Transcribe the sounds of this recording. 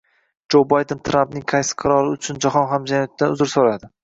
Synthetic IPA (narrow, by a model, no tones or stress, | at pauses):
d͡ʒowbajd̪ent̪ʰɾampnɪŋqʰɑjsɪ̥qʰɨɾɒlˠɪʊt͡ʃʰʊnd͡ʒaχɒnɦamd͡ʒanjɒt̪̚ːanʊ̰zɪɾsoɾad̪ɪ